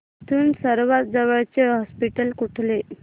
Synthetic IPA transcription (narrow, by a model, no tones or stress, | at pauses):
t̪ʰuːnsəɾʋat̪̚d͡zəʋəɭt͡ɕeɦɔspiʈəlkuʈʰle